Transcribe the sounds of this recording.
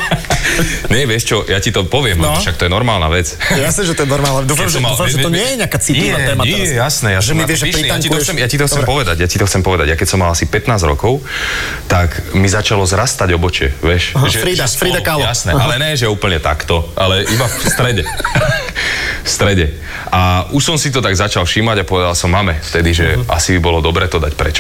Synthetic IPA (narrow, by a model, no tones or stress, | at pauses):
ɲɛʋɪɛʃt͡ʃɔjacit̪ɔpɔʋɪɛmlɛɔʃak̚t̪ɔjɛnɔɾmaːlna̰ʋɛt͡sjasnɛʒɛt̪ɔjɛnɔɾmaːlˠnad̪uːfamɔmːalfaɛʒɛt̪ɔɲɪɛjɛɲɪakat͡siliaɛɛːmɛjɛjasnɛjasʒɛmiɛiiij̪ait̪ɔxt͡sɛmjacit̪ɔxt͡sɛpɔʋɛd̪aɟjacit̪ɔxt͡sɛmpɔʋɛd̪aɟjakɛcsɔmːalasipɛt̪naːzɾɔ̰kɔʊt̪akmizat͡ʃalɔzɾast̪aɟɔbɔt͡ʃɪɛ̰ʋɛʃɦʒɛfɾid̪afɾiːd̪akaljasnɛʔalɛɲɛʒɛuːpəɲɛt̪a̰kt̪ɔʔalɛʔibast̪ɾɛɟɛ | fst̪ɾɛɟɛ | ʔaʔuʃsɔmsit̪ɔt̪aɡzat͡ʃalfʃimaɟapɔʋɛd̪alsɔmːamɛft̪ɛd̪iʒɛa̰sibibɔlɔd̪ɔbɾɛːt̪ɔd̪acpɾɛ̰t͡ʃɔ̥